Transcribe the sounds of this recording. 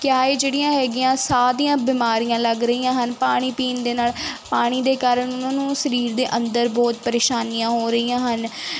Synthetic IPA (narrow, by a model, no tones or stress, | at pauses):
kɪaːeːd͡ʒeːɽijãːɦɛːɡɪjãːsaːɾijãːbiːmaːɾijãːləɡɾəiːjãːɦənpaːɽ̃iːpiːnd̪eːnaːlpaːɽ̃iːd̪eːkaːɾəɳʊnãːnũːsəɾiːɾd̪eːʔə̃nd̪əɾbɔːt̪pəɾeːʃaːnijãːɦoːɾəiːãːɦən